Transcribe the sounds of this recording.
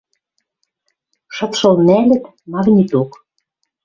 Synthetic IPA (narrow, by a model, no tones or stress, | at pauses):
ʃɤ̆t̪ʃɤ̆lˠnælʲɘ̆t̪ | mɑɣnʲit̪ok